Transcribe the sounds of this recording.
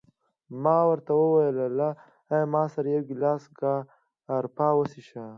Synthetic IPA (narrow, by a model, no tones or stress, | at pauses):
mɑːwəɾt̪awəwajəlala | ajmɑːsɐɾajewɡlaːsɡaː | ɾpaːwəsiʃa